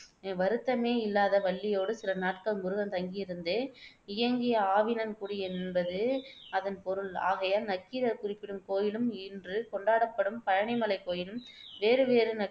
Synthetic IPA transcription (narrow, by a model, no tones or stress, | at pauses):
ʋɐɾɯt̪ːɐmeːɪlːaːðɐʋɐɭːɪjoːɽɯsɪlɐnaːʈkɐlmʊɾɯɣɐmt̪ɐŋɡɪjɪɾɯnd̪ɯ | ɪjɐŋɡɪjɐaːʋɪnɐnkuːɽɯjɛnbɐðɯɐðɐnpɔɾɯla̰ːɣɐjɐnɐkːɪɾɐɾkʊrɪpːɪɽɯmkoːjɪlɯmɪndrɯkɔɳɖaːɽɐpːɐɽɯmpɐɻɐɳɪmɐlɐɪkːoːjɪlɯmʋeːɾɯʋeːɾɯnɐ